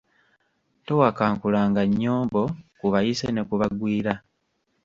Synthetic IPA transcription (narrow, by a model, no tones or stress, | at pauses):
to̞wakaːŋkulaːŋɡaɲːoːmbo̞kuβajisene̞kuβaɡwiːɾa